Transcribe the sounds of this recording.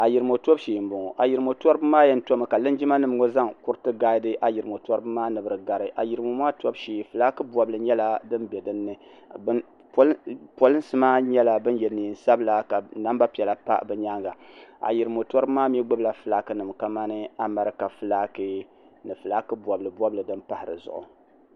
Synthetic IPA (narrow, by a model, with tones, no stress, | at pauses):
a˨ji˨ɾɨ˨mo˨to˦bʃi˨m̩˨bʊ˨ŋ˨ʔa˨ji˨ɾɨ˨mo˨tɔ˦ɾɨ˦bɨ˦maː˦jɛ˦n̩˦to˦mɨ˨ka˨lɨ˦nd͡ʒi˦ma˦nɨ˨m˦ŋo˦za˦ŋku˦ɾɨ˦tɨ˦ɡaː˦dɨ˦ʔa˨ji˨ɾɨ˨mo˨tɔ˦ɾɨ˦bɨ˦maː˦nɨ˨bɨ˨ɾɨ˨ɡa˨ɾɨ˨ʔa˨ji˨ɾɨ˨mo˨maː˦to˦bʃiː˨fɨ˨la˦kɨ˦bwɔ˨blɨ˨ɲɛ˦la˦dɨ˦nbɛ˨dɨ˦nːɨ˦ | b | ppo˦lɨ˦nsɨ˦maː˦ɲɛ˦la˨bɨ˦njɛ˨niː˨n̩˨sa˦bɨ˦la˨ka˨na˦mba˦pi˨ɛ˨la˨pa̰˦˨bɛ˨ɲa˦ŋɡa˨a̰˨ji˨ɾɨ˨mo˨tɔ˦ɾɨ˦bmaː˦m˦ɛ˦ɡ͡bɨ˦bla˨fɨ˨laː˦kɨ˦nɨ˨mka˨ma˦nɨ˦a˦ma˨ɾɨ˦ka˨fɨ˨laː˦kɨ˦ | nɨ˨fɨ˨laː˦kɨ˦bʷɔ˨blɨ˨bɔ˦blɨ˨dɨ˦npa˦hɪ˨ɾɨ̰˨zʊ̰˨ʔʊ̰˨